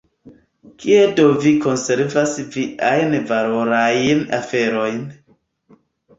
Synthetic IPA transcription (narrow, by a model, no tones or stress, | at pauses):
kʰiedoviko̞nse̞ɾvasviʔajnvalo̞ɾajna̰fe̞ɾo̞jn